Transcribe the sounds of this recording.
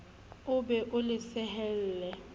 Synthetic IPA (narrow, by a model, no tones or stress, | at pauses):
ʊbɛʔʊlɪsɛɦɛl̩ːlɛ